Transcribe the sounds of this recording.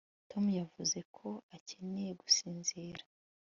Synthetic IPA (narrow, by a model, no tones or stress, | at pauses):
to̞mujavuze̞kʰo̞ace̞nejeɡusiːnzeːɾḁ